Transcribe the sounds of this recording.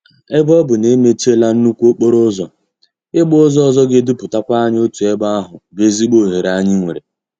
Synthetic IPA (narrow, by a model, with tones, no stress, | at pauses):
e˦bɔ˦bʊ˨ne˦me˦t͡ʃe˦la˦n̩˦nu˦kʷo˦k͡po˦ɾʊ˦zɔ˨ | ɪ˦ɡ͡bʊ˦zɔ˦ɔ˦˨zɔ˦ɡɪ˦dʊ˦pʊ˨ta˦kʷa˦ɲ˦o˦tu˨e˦ba˦ɦʊ˨be˦zi˦ɡ͡bo˦˨ɦe˨ɾa˦ɲɪ˦ŋʷḛ˨ɾe˨